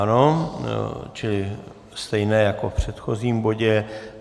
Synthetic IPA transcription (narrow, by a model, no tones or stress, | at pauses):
no | t͡ʃɪlɪ | st̪ɛjnɛːjako̞fpr̝̥ɛt̪xo̞ziːmbo̞ɟɛ